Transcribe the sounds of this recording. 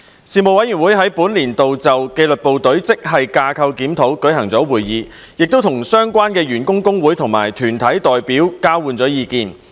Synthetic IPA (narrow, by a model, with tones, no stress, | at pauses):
siː˨˧mo˨wɐ˨˥jyː˨˩nwu˨˥jɦɐ˨˥jpuː˨˥nliː˨˩nt̪o˨wt͡sɐ˨wke˧jlɵ˨t̚po˨wt̪ɵ˨˥ɥt͡sɪ˥k̚ɦɐ˨jkaː˧kʰɐ˧wkiː˨˥mt̪ʰo˨˥wkɵ˨˥jhɐ˨˩ŋt͡sɔː˨˥wuː˨˩jːiː˨˧ | jɪ˨k̚t̪o˥wt̪ʰʊ˨˩ŋsœː˥ŋkʷwaː˥nkɛː˧ɥyː˨˩nkʊ˥ŋkʊ˥ŋwuː˨˥jt̪ʰʊ˨˩ŋma̰ː˨˩jt̪ʰyː˨˩nt̪ʰɐ˨˥jt̪ɔː˨jpiː˨˥wkaː˥wwuː˨nt͡sɔː˨˥jiː˨˧kiː˨˧n